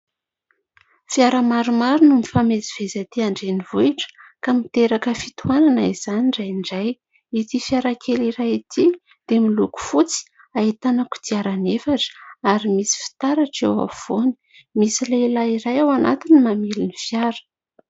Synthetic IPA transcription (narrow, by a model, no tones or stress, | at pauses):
fiaɾamaɾumaɾunumifameziv̥ezat̪iaɳɖ͡ʐenivuiʈ͡ʂə̥kamit̪eɾakəfit̪uananaiz̥aniɳɖ͡ʐajɳɖ͡ʐaj | it̪ifjaɾakʰeliɾajit̪i | d̪̥emiluku̥fut͡si̥ | ait̪anəku̥d̪iaɾanefaʈ͡ʂə̥aɾimisi̥fi̥t̪aɾaʈ͡ʂewa̰v̥oni̥ | misileilaiɾajawana̰t̪inimamilinifjaɾə̥